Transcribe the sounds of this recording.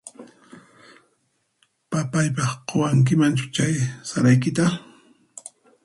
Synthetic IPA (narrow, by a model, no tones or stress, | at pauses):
papajp̬ɑχqʰowaŋk̬ɪmant͡ʃʊ̥t͡ʃajsaɾajkɪt̪a